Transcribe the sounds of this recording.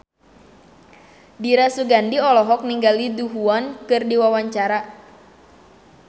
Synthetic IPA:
diɾasuɡandiɔlɔɦɔk̚niŋɡaliduɦuankɨrdiwawaɲt͡ʃaɾa

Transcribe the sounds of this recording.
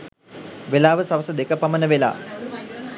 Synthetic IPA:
ʋelaːʋəsaʋəsəd̪ekəpamənəʋela̰ː

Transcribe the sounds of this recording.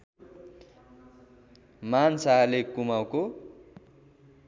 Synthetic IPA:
mansaɦalekumawko

